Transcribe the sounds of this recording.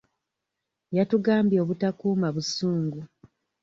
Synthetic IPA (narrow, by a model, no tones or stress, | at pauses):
jatuɡaːmbjo̞ːβutakuːmaβusuːŋɡu